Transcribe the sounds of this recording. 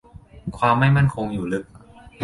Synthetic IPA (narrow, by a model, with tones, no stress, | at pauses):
kʰwaː˧mːa˥˩jma˥˩nkʰo˧ŋjuː˨˩lɯ˦˥k̚